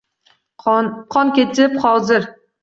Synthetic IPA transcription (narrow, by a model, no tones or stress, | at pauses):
qʰɒnkʲet͡ʃʰɪphɒwzɪɾ